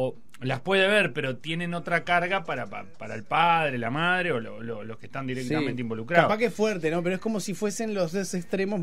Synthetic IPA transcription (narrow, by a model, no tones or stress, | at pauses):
o | laspwe̞ðeβeɾpe̞ɾo̞t̪je̞neno̞t̪ɾakaɾɣapaɾapa̰paɾaelpaðɾelamaðɾeolololo̞skeht̪and̪iɾek̚t̪ament̪eimbo̞lukɾaapakeesfwɛɾt̪eno̞peɾoeskomo̞sifwese̞nlo̞zesekst̪ɾemo̞